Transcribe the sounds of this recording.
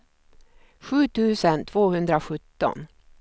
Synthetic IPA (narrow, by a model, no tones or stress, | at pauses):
ɧʉ̟ːt̪ʰʉ̟ːsənt̪ʰvoːhɵnd̪ɾaɧɵt̪ːɔ̰n